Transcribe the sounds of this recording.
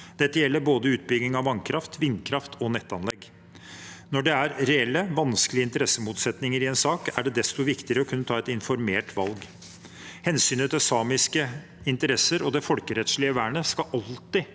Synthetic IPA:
d̪ɛt̪ːəjɛlːəɾboːd̪əʉːt̪̚bʏɡnɪŋɑʋɑŋkʰɾɑft̪ʰʋɪnːkʰɾɑft̪ʰɔnɛt̪ːɑnlɛɡ | nɔɖɛæɾɾɛɛlːəʋɑnskəlɪəɪnt̪əɾɛsːəmuːt̪sɛt̪nɪŋəɾɪɛnsɑːkæ̰ɖɛd̪ɛst̪ɔʋɪkt̪ɪəɾəɔkʰʉnːət̪ʰɑːɛt̪ɪnfɔɾmeːʈʰʋɑlɡ | hɛnsyːnət̪ʰɛsɑːmɪskə | ɪnt̪əɾɛsəɾɔd̪ɛfɔlkəɾɛt̪ʂɭɪəʋæːɳəskɑʔɑlt̪ɪ

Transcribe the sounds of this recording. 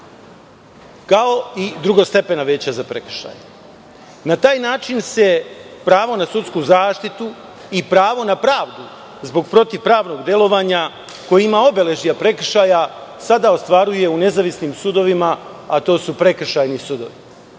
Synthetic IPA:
kao̞id̪ɾuɡost̪e̞pe̞naʋe̞ːt͡ɕazapɾe̞kr̩ʃa̰ːja | nat̪aːjnaːt͡ʃinse̞pɾaːʋo̞nasut̪skuzaːʃt̪it̪u | ipɾaːʋo̞napɾaːʋd̪u | zbo̞ɡpɾo̞t̪iʋpɾaːʋno̞ɡd̪je̞lˠo̞ʋaːɲa | ko̞jiimao̞be̞le̞ʒijapɾe̞k̩ʃaːjasad̪aost̪ʋaɾuje̞une̞zaʋisnimsud̪o̞ʋimaat̪o̞ːsupɾe̞kr̩ʃajnisud̪o̞̰ʋi

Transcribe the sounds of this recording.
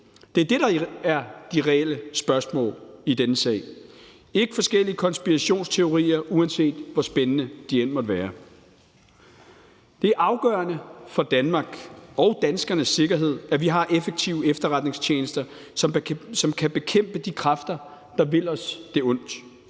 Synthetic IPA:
d̥e̝æɐd̥e̝ɾ̥ɑ̈æɐd̥iʁɛel̰əsb̥ɶɐsmɔ̰̽ːlid̥enəsɛ̰ɪ̰ | e̝ɡ̥əfɒ̽sɡ̥el̰iəkʰɒ̽nsb̥iʁæɕo̝̰ːnst͡sʰe̝o̝ʁḭːɐʔuænse̝̰ːd̥ʋɒsb̥enənəd̥ien̰mɒd̥əʋæːɐ | d̥e̝æɐʔɑ̈ʊɡ̥ɶ̰ːɐnəfɒ̽d̥ænmɑ̈ːɡ̥ɒ̽ʊd̥ænsɡ̥ɐnəsːe̝ɡ̥ɐɦe̝ð̰ˠæʋiɦɑ̈ʔefəɡ̥̚t͡sʰiʊəefd̥ɐʁɑ̈d̥ne̝ŋst͡ɕʰeːnəsd̥ɐ | sɒ̽mkʰæb̥e̝kʰem̰b̥əd̥ikʰʁɑfd̥ɐ | d̥ɑ̈ʋe̝l̰ɒ̽sd̥e̝ɔ̽n̰d̥

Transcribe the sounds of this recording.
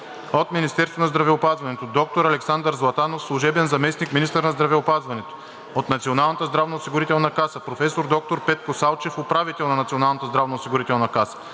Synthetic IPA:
ot̪minist̪ɛɾst̪vonɐzd̪ɾɐvɛʊpazvɐnɛt̪od̪ɔk̚t̪oɾɐlɛksand̪əɾzlˠɐt̪anofslˠʊʒɛbɛnzɐmɛsnikminist̪əɾnɐzd̪ɾɐvɛʊpazvɐnɛt̪o̥ | ot̪nɐt̪sionalˠnət̪əzd̪ɾavnɐosiɡʊɾit̪ɛlˠnɐkasəpɾofɛsoɾd̪ɔk̚t̪oɾpɛt̪̚kosalˠt͡ʃɛfopɾavit̪ɛlˠnɐnɐt̪sionalˠnət̪əzd̪ɾavnɐosiɡʊɾit̪ɛlˠnɐkasə̥

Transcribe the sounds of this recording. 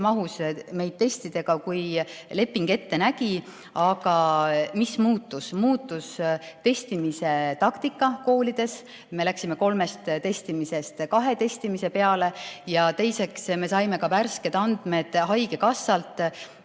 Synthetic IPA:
mɑɦusme̞jd̥̪̚t̪e̞st̪id̪̥e̞ɡ̥ɑkujle̞pːiŋɡ̥e̞t̪ːe̞næɡ̥i | ɑɡ̥ɑmismuːt̪ːˑusmuːt̪ːˑust̪e̞st̪imise̞t̪ɑkt̪ikːˑɑko̞ːlid̪̥e̞s | me̞læksime̞ko̞lme̞st̪t̪e̞st̪imise̞st̪kɑɦe̞t̪e̞st̪imise̞pe̞ɑle̞jɑt̪e̞jse̞ksme̞sɑjme̞kɑværske̞d̪̥ɑnd̪̥me̞d̪̥ɦɑjɡ̥e̞kɑsːɑlt̪ːˑ

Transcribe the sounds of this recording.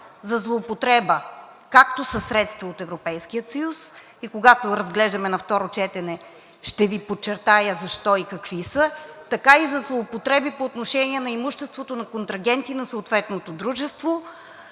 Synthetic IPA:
zɐzlˠoːpot̪ɾɛbə | kak̚t̪osəsɾɛt̪st̪vəot̪ɛvɾopɛjskiət̪sɐjus | ikoɡat̪oɾɐzɡlɛʒd̪ɐmɛnɐft̪ɔɾot͡ʃɛt̪ɛnɛ | ʃt̪ɛvipot͡ʃɛɾt̪ajəzɐʃt̪ɔikɐkvisət̪ɐkaizɐzlˠoːpot̪ɾɛbipoːt̪noʃɛniɛnɐimuʃt̪ɛst̪vot̪onɐkont̪ɾɐɡʲɛnt̪inɐsoːt̪vɛt̪not̪od̪ɾuʒɛst̪vo

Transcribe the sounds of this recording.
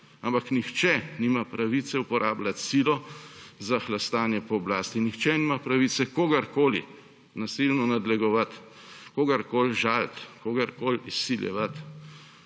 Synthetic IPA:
ampaknixt͡ʃɛnimapɾaʋit̪sɛupɔɾʔaːblat̪silɔzaxlast̪aːnjɛpɔːblaːst̪inixt͡ʃɛnimapɾaʋit̪sɛkoːɡɐɾkoːlḭ | nasilnɔnad̪lɛɡɔʋat̪ | koːɡaɾkoːlʒalt̪koɡaɾkoːlisːiljɛ̰ʋat̪

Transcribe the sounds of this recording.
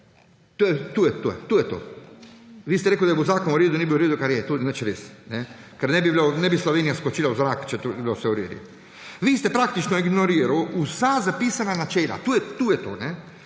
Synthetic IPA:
t̪oːjɛt̪uːjɛt̪o̰ːjɛt̪uːjɛt̪o̰ː | ʋiːst̪ɛɾɛkud̪aɛbozaːkonuɾeːd̪unibiuɾeːd̪ukaɾjɛt̪oːnat͡ʃɾeːsnɛ | kɛɾnɛbiblonɛbisloʋeːnijaskot͡ʃilauzɾaːkt͡ʃɛt̪obiblosʋɛuɾḛːd̪ḭ | ʋiːst̪ɛpɾak̚t̪it͡ʃnɔiɡnoɾiːɾawusazapiːsananat͡ʃela̰t̪uːjɛt̪uːjɛt̪o̰ːnɛ

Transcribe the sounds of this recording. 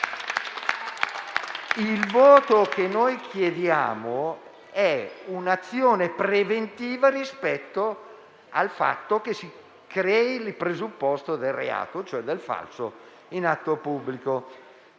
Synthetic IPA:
ilvɔːt̪okenːojkʰjed̪ja̰ːmo | ɛunat̪sːjoːnepɾevent̪iːvaɾispɛt̪ːo | a̰lfa̰t̪ːok̟esi | kɾɛːilipɾezupːɔst̪od̪elrḛa̰ːt̪ot͡ʃoɛd̪ːelfa̰lso | inat̪ːopubːliko

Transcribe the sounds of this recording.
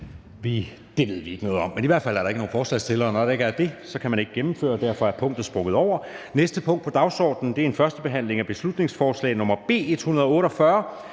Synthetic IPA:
ʋi | d̥e̝ʋe̝ð̞̰ˠʋie̝ɡ̥ənɔ̽ːð̩ˠɒ̽m̰ːeniʋæɐ̰d̥fæl̰æɐɾ̥ɑe̝ɡ̥əno̝ːn̩fɒːslɛ̰ɪst͡sʰe̝lɐːnɒd̥ee̝ɡ̥æɐd̥e̝sɒ̽kʰæmæne̝ɡ̥əɡemm̩fø̰ːɐd̥æɐfɒ̽æɐpʰɔ̽ŋ̰d̥ð̩ˠsb̥ʁɔ̽ɡ̥ð̩ˠɒʊ̰ɐnesd̥əpʰɔ̽ŋ̰d̥pʰɒ̽d̥ɑ̈ʊsɒ̰ːd̥n̩d̥e̝æɐe̝nfɶɐsd̥əb̥e̝ɦæn̰le̝ŋæb̥e̝slud̥ne̝ŋsfɒːslɛ̰ɪnɔ̽mɐb̥e̝̰ːe̝d̥hunɐðˠɒɔ̽ːɾɒ̽fɶɐ

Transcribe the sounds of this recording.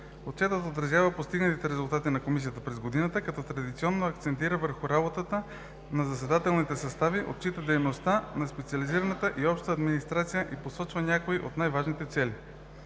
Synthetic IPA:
ot̪̚t͡ʃɛt̪ət̪ot̪ɾɐzjavəpost̪iɡnət̪it̪ɛɾɛzʊlˠt̪at̪inɐkomis̬ijət̪əpɾɛzɡod̪inət̪əkɐt̪ɔt̪ɾɐd̪it̪sʲiɔnːoɐk̚t̪sɛnt̪iɾəvəɾxuɾabot̪ət̪ə | nɐzɐsɛd̪at̪ɛlˠnit̪ɛsɐst̪aviʔo̰t̪̚t͡ʃit̪əd̪ɛjnost̪anɐspɛt̪siɐliziɾɐnət̪əʔiɔpʃt̪t̪ːd̪minist̪ɾat̪sijəʔiposɔt͡ʃvənʲakoiʔo̰t̪najvaʒnit̪ɛt̪sɛli

